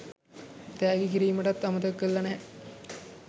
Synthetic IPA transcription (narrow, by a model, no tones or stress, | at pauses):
t̪æːɡekiɾiːməʈat̪ːamət̪əkːəlːɐnɛɦɛ